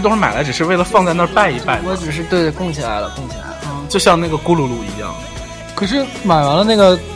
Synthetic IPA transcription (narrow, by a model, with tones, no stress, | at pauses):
ʊ˥ŋʂɻ̩˥˩ma˨˩ɪla˧˥ɪʈ͡ʂɻ̩˨˩ʂɻ̩˥˧we˥˩ɪlə˩fɑ˥˧ŋt͡sa˥˧ɪnə˥˧pa˥˧ɪi˧˥pa˥˩ɪwɔ˧˥ʈ͡ʂɻ̩˨˩ʂ̬ɻ̩˥˧t̪we˥˩ɪd̪ə˩kʊ˥˩ŋɕjɛ˥˩la̰˧˥ɪlə̰˧kʊ˥˩ŋɕʰi˨˩la̰˧˥ɪ˥˩t͡ɕjo˥˧ʊɕjɑ˥˧ŋna˥˩ɡə˩ku˥lu˧˥lu˥˩ḭ˧˥jɑ̰˥˩ŋ | kʰɤ˨˩ʂ̬ɻ̩˥˩ma˨˩ɪwa˧˥nlə˧na˥˩ɡə˩